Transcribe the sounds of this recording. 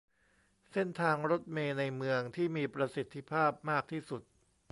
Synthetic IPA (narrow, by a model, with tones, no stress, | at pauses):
se˥˩nt̪ʰaː˧ŋɾo˦˥t̪̚meː˧na˧jmɯ˧əŋt̪ʰiː˥˩miː˧pɾa˧si˨˩t̪ʰːi˦˥pʰaː˥˩p̚maː˥˩k̚t̪ʰiː˥˩su˨˩t̪̚